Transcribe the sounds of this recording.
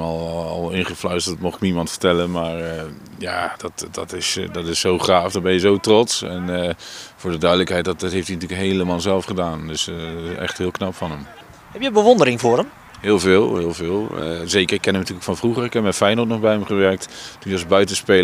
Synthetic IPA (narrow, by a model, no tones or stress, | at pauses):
ɔlˠɑ̰lˠɪnχəflœɥstdɔtmɔχɪk̚məimɑntfə̥ɹtɛlənmaːɹə | jaːd̥ɔtdɔtɪsdɔtɪsːowχraːfdɔbɛnjəzowtrɔtsɛn | fʊːɹdədœɥdələkɦɛjt̚dttɦejftinatyːləkɦejləmaːlˠzɛlˠfχədaːndɵsɪsɛ̰χtɦɪːlˠknɑpfɑnəm | hɛpjəbəʋɔndəɾɪŋvʊːɾəm | hɪːlˠvɪːlˠɦɪːlˠvɪːlˠə̰zeːkərɪkːɛnəmnatyːləkfɑnvruχərɪkɦɛp̚mɛtfɛjnotnɔχbɛjəmχəʋɛɹk̚ttunjəɔsbœɥtənspel